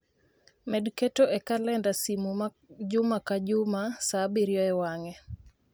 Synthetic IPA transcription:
mɛdketoʔekalɛndasimuma | d͡ʒʊmakad͡ʒʊmasabiɾjɔɛwaŋɛ

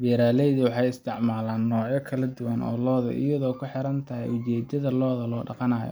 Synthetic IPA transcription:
bɛːɾaːlɛjðʊwɑħɑjɪst̪ʰɪʕmaːlaːnːɔːʕjɔkʰɐlɐd̪ʊwɐnɔ̰ːlɔːðɐ̰ʔɪ̰jɐðɔːkʰʊħɪɾɐnt̪ʰɐɦɛ̰jʊt͡ʃɛːd̪ɐðɐlɔːðɐlɔːɖɑqɑnaːjɔ̰

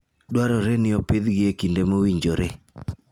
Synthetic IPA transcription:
dwaɾɔɾenɪɔped̪ɡɪekindemowiɲd͡ʒoɾe

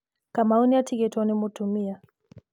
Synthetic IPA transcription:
kamaunijatʰiɡɛtɔnimutumia

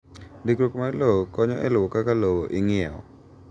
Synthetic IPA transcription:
dikɾokmalowokɔɲɔʔɛlwokakalowoʔɪŋɪɛwɔ̰

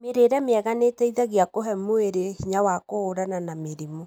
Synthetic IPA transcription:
meɾeɾɛmeɛɣanetɛiðaɣiakoɦɛmoeɾehiɲawakoːɾananameɾimo

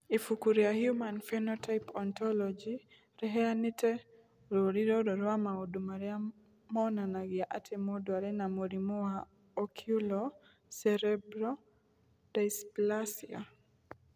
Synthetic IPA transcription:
ifukuɾiahjumanfɛnɔtʰajpɔntɔlɔd͡ʒi | ɾɛɦɛanitɛ | ɾoɾiɾoɾɔɾwamaodumaɾɛa | mɔnanaɡɪaʔatʰɛmodwaɾɛnamoɾimuwa | ɔkʰjulɔ | sɛɾɛbɾɔ | d̥ajsplasia̰

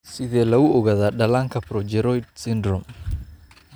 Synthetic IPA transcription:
sɪðɛːlɐɣʊɔɣaðaːɖɐlaːŋkʰɐpɾɔd͡ʒɛɾɔjd̪̚sɪnd̪ɾɔm

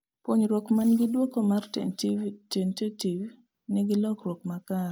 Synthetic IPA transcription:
poɲɾwokmanɡɪdwokomar | tentetiv | nɛɡɪlɔkrwɔkmakaɾ

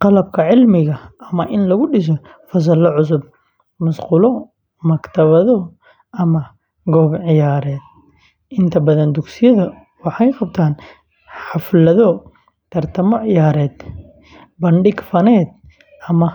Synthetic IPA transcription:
qɑlɐbkʰɐʕɪlmɪɣɐɐmɐʔɪnlɐɣʊɖɪʃ̬ɔ | fɐs̬ɐlɐʕʊs̬ʊb̚ | mɐsquːlɔ | mɐkt̪ʰɐβɐðɔ | ʔɐmɐ | ɡɔːbʕɪjaːɾɛːd̪̚ | ʔɪnt̪ʰɐbɐðɐnd̪ʊksɪjɐðɐ | wɑħɑjqɑb̚t̪ʰaːn | ħɑflɐðɔ | t̪ʰɐrt̪ʰɐmɔʕɪjaːɾɛːd̪ | bɐɳɖɪɡfɐnɛːd̪̚ | ʔɐmɐ

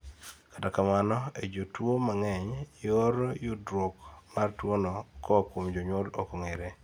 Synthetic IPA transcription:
katakamanɔed͡ʒotwomaŋɛɲjoɾjudɾokmartwonɔkɔkwomd͡ʒoɲolokoŋeɾe

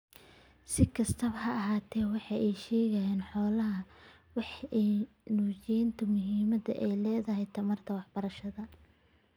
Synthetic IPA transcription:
sɪkʰɐst̪ʰɐβɐhɐːɦaːt̪ʰɛːwɑħɑjɛjʃɛːɣɐjɛːnħɔːlɐɦɐ | wɑħɛj | nuːt͡ʃɪnt̪ʰɐmʊɦiːmɐdɐ̰ʔɛjlɛːðɐɦɛjt̪ʰɐmɐrt̪ʰɐwɑħbɐɾɐʃɐðɐ

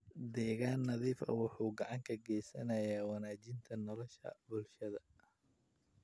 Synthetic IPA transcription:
d̪ɛːɣaːnːɐðiːfɐ̰wʊħuːɡɐʕɑŋkʰɐɡɛːjsɐnɐjaːwɑnaːt͡ʃɪnt̪ʰɐnɔlɔʃɐ̰bʊlʃɐðɐ

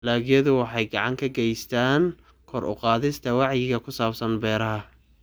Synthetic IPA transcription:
laːɣjɐðʊwɑħɑjɡɑʕɑŋkʰɐɡɛjst̪ʰaːn | kʰɔɾʔʊ̰qɑːðɪst̪ʰɐwɑʕjɪɣɐkʰʊsaːbsɐnbɛːɾɐɦɐ

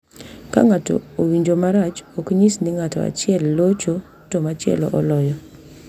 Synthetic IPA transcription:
ka̰ŋatɔ̰owiɲd͡ʒomaɾat͡ʃokɲisnɪŋatɔ̰a̰t͡ʃɪɛlːot͡ʃo | tɔmat͡ʃɪɛ̰lɔ̰ʔɔlɔjɔ

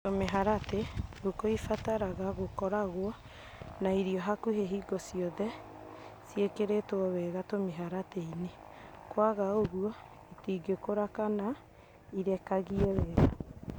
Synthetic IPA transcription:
tomeɦaɾateɡokoifataɾaɣaɣokɔɾaɣwɔ | naiɾiɔɦakuheɦiːɡɔsiɔðɛ | sjekeɾetwɔwɛɣatomeɦaɾateine | kwaɣaoɣuɔ | itiːɡekoɾakana | iɾɛkaɣiɛwɛɣa

